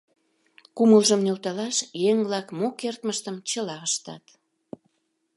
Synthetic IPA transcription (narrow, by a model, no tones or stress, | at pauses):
kuməlʒəmnølt̪ɑlɑʃjeŋβlɑkmokert̪məʃt̪əmt͡ɕəlɑəʃt̪ɑ̰t̪